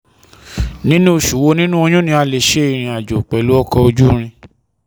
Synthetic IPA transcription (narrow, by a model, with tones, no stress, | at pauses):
nĩ˦nũ˦o˨ʃu˨wo˧nĩ˦nũ˦o˧j̃ũ˦nĩ˧a˧le˨ʃe˦i˨ɾ̃ĩ˨a˨d͡ʒo˨k͡pɛ˨lu˨˦ɔ˦kɔ˧o˧d͡ʒu˦ɾ̃ĩ˧